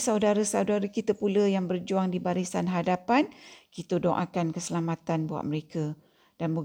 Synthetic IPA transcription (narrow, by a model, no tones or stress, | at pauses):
sawdaɾəsawdaɾəkit̪əpuləjaŋbərd͡ʒuaŋdibaɾisanɦadapankit̪ədɔŋʔa̰kankəsəlamãt̪anbua̰məɾekə | d̥anbu